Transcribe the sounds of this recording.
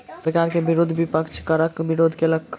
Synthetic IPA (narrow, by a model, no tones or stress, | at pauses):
səɾkaɾkebiɾod̪ʱbipəkt͡ʃʰkəɾəkbiɾod̪ʱkelək